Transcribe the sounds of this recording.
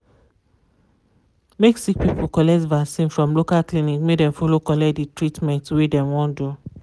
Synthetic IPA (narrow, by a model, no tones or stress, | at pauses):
meksik̚pipukɔlɛktvasĩnfɹɔ̃mlokalklĩnikmekdɛ̃mfɔlokɔlɛditɹitmɛ̃ntwedɛ̃mwɔ̃ndu